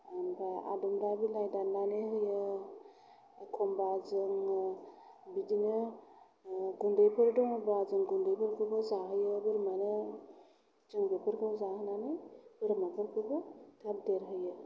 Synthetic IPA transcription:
anbaa̰dumɾabilajdannːanɯɦɯjɯ | kʰɔmbazɯŋ | bidinɯ | ɡundɯjpʰɯɾdɔŋbazɯŋɡundɯjpʰɯɾkʰɯbɔzaɦɯjɯbɯɾmanɯ | d͡ʒɯŋbepʰɯɾkʰɯzahɯnanɯjbɯɾmapʰɯɾkʰɯbɔtʰab̚deɾɦɯjɯ

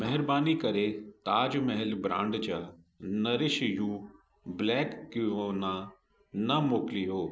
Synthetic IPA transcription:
mɛɦɪɾbaːnikɐɾet̪aːd͡ʒmɛɦɛlbɾã̰ːɳɖt͡ɕa | nɐɾɪʃjũː | blɛːkːionã | nɐmoːklijoː

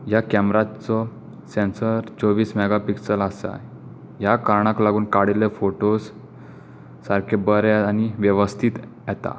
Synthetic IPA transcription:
jakɛmɾat͡sɔ | sensəɾt͡soʋiːsmɛɡapiksəlasa̰ | jakaɾɳaklaɡuːnkaɽilefoʈos | aɾkʰebəɾaaniʋjəʋəst̪ʰiːt̪ | jɛt̪a̰

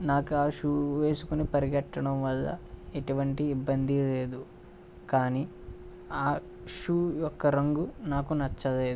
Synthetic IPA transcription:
naːkuaːʂuːʋeːsukunipɐɾiɡɐʈːɐɽɐmʋɐlːɐ̰eʈuʋɐɳʈiːbːɐnd̪ile̞ːd̪u | kaːni | aː | ʂuːjɔkːɐɾɐŋɡunaːkunɐt͡ʃːɐle̞ːd̪u

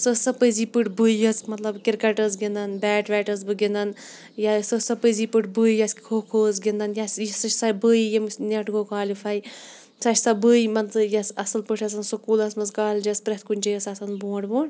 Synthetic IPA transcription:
sɨsɐpəzipɨʈbɨjjɐsmɐt̪lɐbkʲiɾkɐʈəzɡindɐnbɛːʈʋɛːʈɐzbɨɡinɐn | jasɨsɐpəziːpɨʈbɨːjɐskʲkʰoːkʰoːzɡind̪ɐnjɐsisɐt͡ʃʰʲsɐbəːjijimsnʲeʈɡoːkaːlifaj | sɐt͡ʃʰʲsɐbəːjimɐnt͡sɨjɐsɐsɐlpəʈʰɐs̬ɐnsɨkuːlɐsmɐzkaːlʲd͡ʒɐspɾɐt̪ʰkunʲt͡ʃijɐsɐsɐnbõːɳɖboːɳɖ

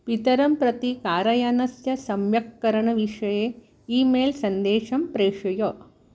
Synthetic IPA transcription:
pit̪ɐɾɐmpɾɐt̪ikaːɾɐjaːnɐsjɐsɐmjɐkːɐɾɐɳɐʋiʂɐjeː | iːmeːlsɐnd̪eːʂɐmpɾeːʂɐjoː

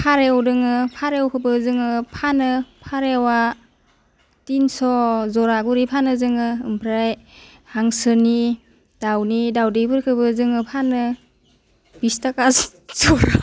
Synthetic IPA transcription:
pʰaɾewdɯŋɯpʰaɾewkʰɯbɯzɯŋɯpʰanɯpʰaɾewa | tinsɔzɔɾaɡuɾipʰanɯzɯŋɯɯmpʰɾaj | haŋsɯni | d̥awnidawdejbɯɾkʰɯbɯzɯŋɯpʰanɯ | b̥istaka | z̥ɔɾ

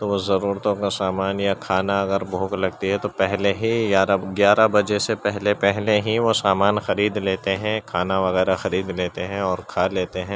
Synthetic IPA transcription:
t̪oʋozɐɾuːɾt̪õkasaːmaːnjakʰaːnaɐɡəɾbʱũːklɐɡt̪iɦɛt̪opɛɦleɦiɡaːɾaɡjaːɾabɐd͡ʒesepɛɦlepɛɦleɦiʋosaːmaːnxɐɾiːd̪leːt̪eɦɛ̃kʰaːnaʋɐɣɛːɾaxɐɾiːd̪leːt̪eɦɛ̃ɔːɾkʰaːleːt̪eɦɛ̃ː

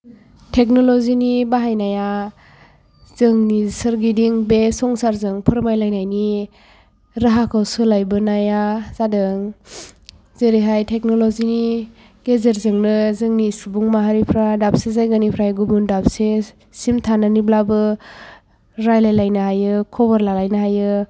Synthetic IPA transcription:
tʰek̚nɔlɔzinibaɦajnaja | z̥ɯŋnisɯɾɡidiŋbesɔŋsaɾzɯŋpʰɯɾmajlajnajni | ɾaɦakʰawsɯlajbɯnajaz̥adɯŋ | zeɾiɦajtʰek̚nolɔzini | ɡezeɾzɯŋnɯzɯŋnisubuŋmaɦaɾipʰɾadap̚sezajɡanipʰɾajɡubundap̚se | simtʰananiblabɯ | ɾajlajlajnaɦajɯkʰɔbaɾlalajnaɦajɯ

